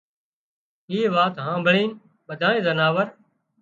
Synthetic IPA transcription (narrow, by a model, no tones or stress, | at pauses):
iːʋaːt̪ɦãːbʱəɭiːn | ɓəd̪ʱaːẽːzənaːʋəɾ